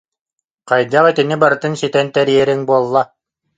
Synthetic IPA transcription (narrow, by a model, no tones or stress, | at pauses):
qajd̪aʁit̪inibaɾɯt̪ɯnsit̪ɛnt̪ɛɾijɛɾiŋbuɔlˠːa